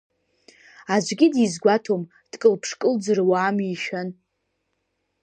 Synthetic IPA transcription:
ad͡ʒʷɡʲɪdizɡʷatʰom | d̥kʼɨlpʰʂkʼɨld͡zɨrwaːmiʃan

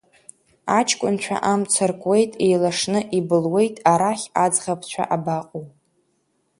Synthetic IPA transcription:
at͡ʃʰʼkʷʼʊnt͡ʃʷʰa̰ʔamt͡sʰarkʷʼwe̞jtʼejlaʂnɨʔibɨlwe̞jtʼaɾaχʲad͡zʁapʰt͡ɕʷʰa̰ʔabaqʼow

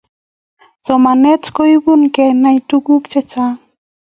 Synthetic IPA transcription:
sɔmanɛtkojbunkɛnajt̪uɡukt͡ʃɛt͡ʃa

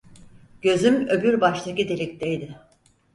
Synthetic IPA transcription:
ɟ̥ø̞zymø̞byɾbaʃt̪ʰacid̪elʲic̚t̪ʰejd̪ɪ

